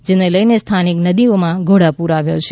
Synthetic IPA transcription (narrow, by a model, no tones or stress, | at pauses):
d͡ʒeneləjnest̪ʰaniknəd̪iomãɡʱoɽapuɾaʋjo̰t͡ʃʰ